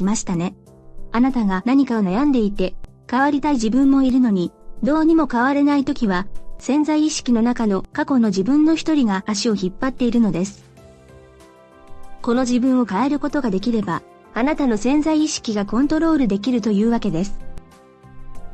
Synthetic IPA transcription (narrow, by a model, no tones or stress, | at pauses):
imaɕi̥t̪ane̞ | anat̪aɡanaɲ̟ikao̞najãnd̪e̞it̪e̞ | kaβaɾʲit̪aid͡ʑibɯ̟̃mːo̞iɾɯ̟no̞ɲ̟id̪o̞ːɲ̟imo̞kaβaɾe̞nait̪o̞kʲiβasẽ̞nzaiːɕi̥kʲino̞nakano̞kako̞no̞ʑibɯ̟̃nːo̞çʲi̥t̪o̞ɾʲiɡaːɕio̞çipːat̪ːe̞iɾɯ̟no̞d̪e̞sɨ̥ | ko̞no̞ʑibɯ̟̃ɰ̃o̞kae̞ɾɯ̟ko̞t̪o̞ɡad̪e̞kʲiɾe̞baː | nat̪ano̞sẽ̞nzaiːɕi̥kʲiɡakõ̞nt̪o̞ɾo̞ːɾɯ̟d̪e̞k̬ʲiɾɯ̟t̪o̞jɯ̟ːβake̞d̪e̞sɨ̥